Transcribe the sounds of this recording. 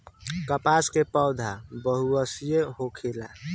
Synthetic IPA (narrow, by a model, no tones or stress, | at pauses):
kəpaskepəːd̪ʱabəɦuəsijeɦokʰela